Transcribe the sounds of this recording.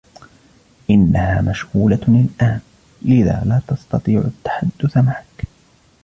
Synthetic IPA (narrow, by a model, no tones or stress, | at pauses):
ʔɪnːahaːmaʃhuːlaɪlʔaːn | lɪða̰ːlaːt̪ɑst̪ɑt̪ˤiːʕʊ̰t̪ːḁħad̪ːʊθamaʕak